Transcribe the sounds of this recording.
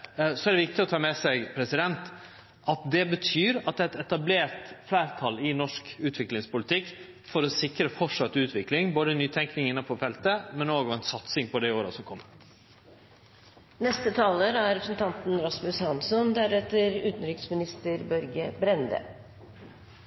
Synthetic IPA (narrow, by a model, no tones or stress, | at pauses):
sɔæɾɖ̪ɛʋɪk̚t̪ɪɔt̪ʰɑːmɛsɛɡpʰɾɛsɪd̪ɛnt̪ | ʔɑt̪d̪ɛbət̪ʰyːɾɑt̪̚d̪ɛːæt̪ɛt̪ɑbleːɾt̪flæːɾt̪ʰɑlɪnɔʂkʉːt̪ʋɪklɪŋspʊlɪt̪ʰɪkː | fɔɾɔsɪkɾəfɔʂɑt̪ːʉːt̪ʰʋɪklɪŋboːd̪ənyːt̪ʰɛŋknɪŋɪnːəpʰɔfɛlt̪əmɛnoːɡɔʋɛnsɑt̪sɪŋpɔd̪ɛoːɾəsɔkʰɔmːə | nɛst̪ət̪ʰɑːləɾæɾɛpɾəsnt̪ʰɑnt̪nɾɑsmʉshɑnsɔnd̪æɾɛt̪ːəɾʉːt̪n̩ɾʏksmɪnɪst̪əɾbœɾɡəbɾɛnd̪ə̰